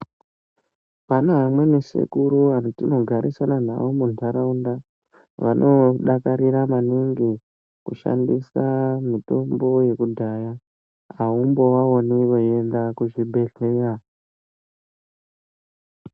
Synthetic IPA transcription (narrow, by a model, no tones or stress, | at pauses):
panoɦamwe̞nesḛkuɾuanotino̞ɡʱaɾisanana̰ʋomunaɾaunda | ʋanʔo̞ɗakaɾiɾamaniŋɡi | kuʃa̰ndisamito̞mbo̞je̞kudʱaja | aumbo̞ʋaoniʋoe̞ndakuʐibʱe̞ɮeːra